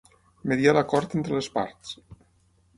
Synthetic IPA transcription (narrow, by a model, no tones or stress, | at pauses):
meðialakɔɾt̪ent̪ɾəlespa̰ɾt̪s